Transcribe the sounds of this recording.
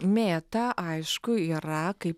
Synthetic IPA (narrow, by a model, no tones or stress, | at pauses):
mʲeːt̪ɐʔɐɪʃkʊiːɾɐkɐɪp